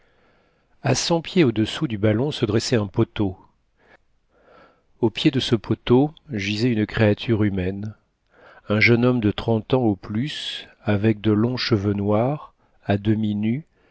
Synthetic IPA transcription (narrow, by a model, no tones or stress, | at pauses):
asɑ̃pjeod̪əsud̪ybalɔ̃səd̪ʁɛsɛɛ̃pot̪o | opjed̪əsəpʰot̪oʒizɛynəkχeat̪ʰyʁymɛn | ɛ̃ʒənɔmd̪ət̪χɑ̃t̪ɑ̃oplys | avɛk̚d̪əlɔ̃ʃəvønwaʁ | ad̪əminy